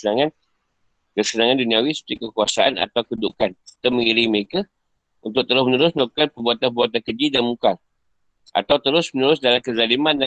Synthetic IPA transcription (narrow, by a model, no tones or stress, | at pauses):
ənaŋãn | kəsənãŋãndunĩawisə̥pəikəkuasaʔana̰t̪awkədṵkanət̪əmə̃ŋiɾiməɾeka | unt̪ʊk̚t̪əɾʊsmənəɾʊsməlak̚kanpəbuat̪anpəbuat̪ankəd͡ʒidanmukal | ʔa̰t̪awt̪əɾʊsmənəɾʊsdalamkəzalimãnda